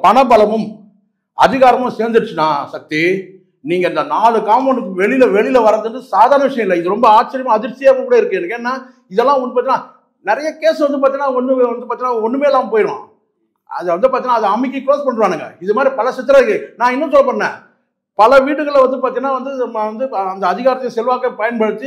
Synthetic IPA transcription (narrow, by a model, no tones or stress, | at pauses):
pɐɳɐpɐlɐmɯm | ɐ̰ðɪɣaːɾɐmʊ̃seːɾd̪ɯʈɯt͡ʃːɯnːaːsɐk̚t̪i | niːŋɡɐɪnd̪ɐnaːɭɯkːaːmɔnɯkːʋɛɭɪlɐʋɛɭɪlɐʋɐɾɐɐðɯnd̪ɯsaːðaːɾɐnɐʋɪʂɐjɐ̃ɪlːɐɪðɯɾɔmbɐaːt͡ʃːɐɾjɐmaːɐðɪɾsɪjaːkɐkuːɽɐɪɾɯkːɯ̃ɛnːɐkːeːnːaː | ɪðɛlːãːɔnd̪ɯpaːt̪ĩnaː | nɪɾɐjɐkeːsʋɐnd̪ɯpaːɾt̪iŋɡnaːɔnːɯʋɐnd̪ɯpaːɾt̪iŋːnːaːɔnːɯmeːɛlːaːmpoːjɾ̰̃ː | ɐ̰ðɯʋɐnd̪ɯpaɾt̪iːŋnaːɐðɐɐmːɪkːɯkoːspɐɳːɾɯʋaːnɯŋɡɐ̰ɪðɯmaːd̪ɾipɐlɐsɪt̪ːɪɾɐɯkːɯnãːɪnːɐ̃sɔlːɐpːɐɽɐnɛ̰̃ː | pɐlɐʋiːʈɯɣɐɭʋɐnd̪ɯpaːɾt̪ĩːŋɡɐnaːʋɐnd̪ɯmɐnd̪ɯɐnd̪ɐːðɪɣaːɾɐt̪ɐɪjɐ̃sɛlʋaːkːɐpɐjɐnpɐɽɯt̪ːɯ